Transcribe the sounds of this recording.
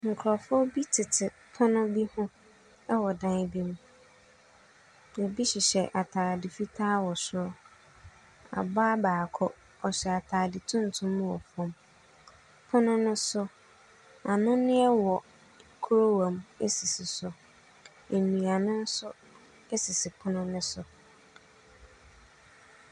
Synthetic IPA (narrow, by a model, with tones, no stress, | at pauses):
ŋ̩˨kʰɾɔ˨fɔ˦bi˦tʰɪ˨tʰɪ˨ | pʰʊ˦nʊ̃˦bi˦hʊ̃˦ | ɛ˦wɔ˨dã˦bi˦m̃˦ | ɛ˨bi˦ɕɪ˨ɕɛ˨ʔa˨tʰaː˨dɪ˨fi˦tʰaː˦wɔ˨sʊ˦ɾɔ˦ | a̰˨baː˦baː˨kʰɔ˦ | ɔ˨ɕɛ˨a˨tʰaː˨dɪ˨tʰʊ̃˦n̩˨tʰʊ̃˦m˦wɔ˨fɔ̃˦m | pʰʊ˦nʊ̃˦nʊ̃˦sʊ˦ | a˨nʊ̃˦nɪ̃˦ɛ˦wɔ˨ | kʰu˦ɾo˦wã˨me˦si˨sɪ˨sʊ˨ | e˨nĩ˨a˨nʊ̃˦n̩˦sʊ˦ | e˦si˨sɪ˨pʰʊ˦nʊ̃˦nʊ̃˦sʊ˨